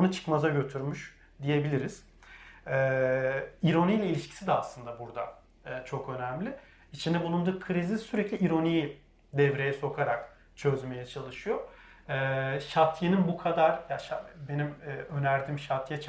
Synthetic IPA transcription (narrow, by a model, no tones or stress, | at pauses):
unut͡ʃʰɯ̥kmazaɟø̞t̪ʰyɾmyʃ | d̪ije̞bilʲiɾiz̥ | ɛː | iɾo̞nijlʲɛilʲiʃcʰi̥sid̪ɛaslˠɯnd̪abuɾd̪a | t͡ʃʰo̞kø̞næmlʲɪ | it͡ʃʰind̪ɛbulˠund̪uːkʰɯɾizisyɾeclʲiːɾo̞ni | d̪ɛvɾe̞jɛso̞kʰaɾak | t͡ʃʰø̞zme̞jɛt͡ʃʰalˠɯʃɯjo | ɛːʃat̪ʰjeninbukʰad̪aɾ̥jaʃabe̞nimɛːø̞næɾd̪iːmʃat̪ʰjɛt͡ʃʰ